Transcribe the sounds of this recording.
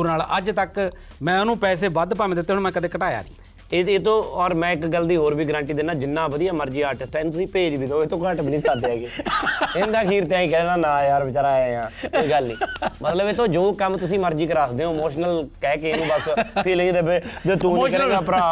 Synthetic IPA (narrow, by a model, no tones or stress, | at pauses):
uɾnaːləd͡ʒt̪ək | mɛ̃ːənũːpɛːs̬eːbəd̪paːmẽːd̪ɪt̪ːeːɦõmɛ̃ːkəd̪eːkəʈaːja̰ːɡiː | eːt̪õːɔːɾmɛ̃ːɪkɡəlːd̪iːɦoːɾbiːɡɾãːɳʈiːd̪ɪnːãːd͡ʒɪnːãːbəd̪ijaːməɾd͡ʒiːaːɾʈɪsʈeːnũːt̪ʊsĩːpeːd͡ʒbiːd̪eoːeːt̪õːkə̃ːʈbniːsaːd̪eːɛːɡeːɪnd̪aːkʰiːɾt̪ãːĩːkɛːnãːnãːjaːɾbɪt͡ʃːɾaːɛjãːkoiɡəlnĩːmət̪ləbeːt̪õːd͡ʒoːkəmt̪ʊsĩːməɾd͡ʒiːkəɾaːsd̪eːɦõːmoːʃnəlkɛːkenũːbəspʰɪlĩːd̪ebeːd̪et̪ũːoːʃkəɾẽːaːpɾaː